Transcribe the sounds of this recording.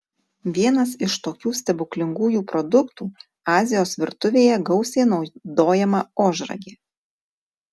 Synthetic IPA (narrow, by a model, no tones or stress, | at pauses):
ʋʲiɛnɐsɪʃt̪oːkʲuːsʲt̪ʲɛbʊklʲɪŋɡuːjuːpɾɔd̪ʊkt̪uː | ɑːzʲɪjoːsʋʲɪɾt̪ʊʋʲeːjɛɡɒʊsʲeːnɒʊd̪oːjɛmɐoːʒɾɐ̰ɡʲeː